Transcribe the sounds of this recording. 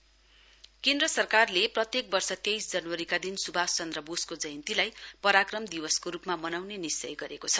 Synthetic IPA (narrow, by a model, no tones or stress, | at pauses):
kẽnd̪rʌsʌrkarleprʌt̪jek̚bʌrsʌt̪ejsd͡zʌnwʌɾikad̪insubʱast͡sʌnd̪rʌboskod͡zʌjʌnt̪ilajpʌɾakrʌmd̪iwʌskoɾupmamʌnawnenist͡sʌ̰jɡʌɾekot͡sʰʌ